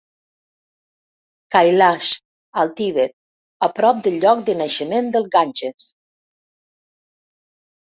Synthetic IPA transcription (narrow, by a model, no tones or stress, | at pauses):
kajlaʃ | alˠt̪iβet̪̚ | apɾɔp̚d̪əlːɔk̚d̪ənaʃəmend̪əlˠɣanʲd͡ʒəs